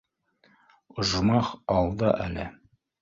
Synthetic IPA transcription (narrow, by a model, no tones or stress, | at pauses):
ŏʒmɑχɑlˠd̪ɤʔæ̰lɘ